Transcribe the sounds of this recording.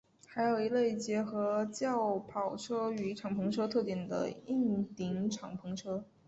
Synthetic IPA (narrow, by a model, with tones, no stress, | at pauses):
xa˧˥ɪjo˨˩ʊi˧˥le˥˩ɪt͡ɕjɛ˧˥xɤ˧˥t͡ɕjɑ˥˩ʊpʰɑ˨˩ʊʈ͡ʂʰɤ˥y˨˩i˥ʈ͡ʂʰɑ˨˩ŋpʰɤ˧˥ŋʈ͡ʂʰɤ˥t̪ʰɤ˥˩t̪jɛ˨˩nd̪ə̰˦i˥˩ŋt̪i˧˥ŋʈ͡ʂʰɑ˨˩ŋpʰɤ˧˥ŋʈ͡ʂʰɤ˥